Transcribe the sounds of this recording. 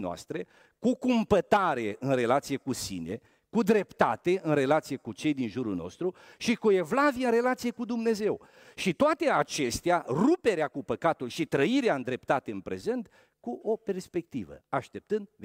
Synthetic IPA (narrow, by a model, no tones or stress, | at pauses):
noa̰st̪ɾe̞ | kukumpət̪aɾeɨnre̞lat̪sijekusḭne̞̰ | kud̪ɾe̞pt̪at̪e̞ɨnre̞lat̪sijekut͡ʃe̞jd̪inʒuɾulno̰st̪ɾuʃikue̞vlavieɨnre̞lat̪sijekud̪umne̞ze̞w | ʃit̪oat̪e̞at͡ʃe̞st̪earupe̞ɾeakupəkat̪ulʃit̪ɾəiɾeaɨnd̪ɾe̞pt̪at̪e̞ɨnpɾe̞̰ze̞nt̪ | kuo̞pe̞rspe̞k̚t̪ivə̰aʃt̪e̞p̚t̪ɨnd̪v